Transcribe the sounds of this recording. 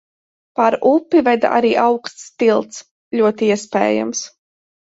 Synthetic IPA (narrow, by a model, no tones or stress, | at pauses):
paɾupːivɛd̪a̰ʔa̰ɾiːʔawkst̪st̪ilˠt̪s | lʲuɔt̪iiɛspɛ̰ːja̰ms